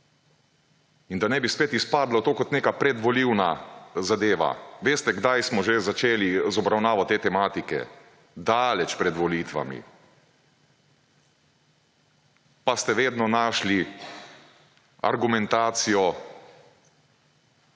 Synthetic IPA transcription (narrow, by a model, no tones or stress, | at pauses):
ind̪anɛbispeːt̪ispaːd̪lat̪oːkɔt̪neːkapɾɛd̪ʋɔliwnazad̪eːʋa̰ʋeːst̪ɛɡd̪ajsmɔʒezat͡ʃeːlizɔbɾawnaːʋɔt̪eːt̪ɛmaːt̪ikɛ̰ | d̪alɛt͡ʃpɾɛd̪ʋɔliːt̪ʋa̰mḭ | past̪ɛʋeːd̪nɔnaːʃli | a̰ɾɡumɛnt̪aːt̪sijɔ